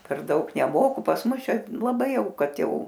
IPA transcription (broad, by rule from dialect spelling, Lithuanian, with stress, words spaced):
pʲɛr ˈdɐʊk nʲɛˈmoːkʊ pɐs ˈmʊs ˈt͡ʃʲɛ lˠɐˈbɐɪ ˈjɛʊ ˈkɐt ˈjɛʊ